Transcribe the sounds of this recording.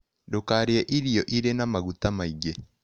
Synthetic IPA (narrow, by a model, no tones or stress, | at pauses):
dokaɾeɛʔiɾijɔʔiɾenamaɣutamaiɡe